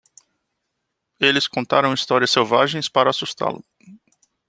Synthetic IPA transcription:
elɪskõnt̪aɾɐ̃w̃ist̪ɔɾiɐsːewvaʒẽj̃spaɾɐːsust̪a̰lʊ̰

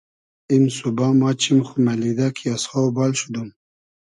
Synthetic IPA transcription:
imsubɑmɑt͡ʃʰimxumalid̪akʰiasχawbɑlʃud̪um

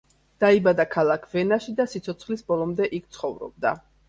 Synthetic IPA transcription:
d̪̥aibad̪akʰalˠakʰvɛnaʃid̪asit̪sʰɔt̪sʰχlisbɔlˠɔmd̪ɛʔik̚ʰt̪sʰχɔvɾɔ̰b̚d̪a̰

